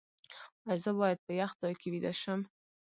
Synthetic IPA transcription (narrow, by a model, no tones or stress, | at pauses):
azəbɑjad̪̚pəjaxt̪ɑjkewid̪aʃəm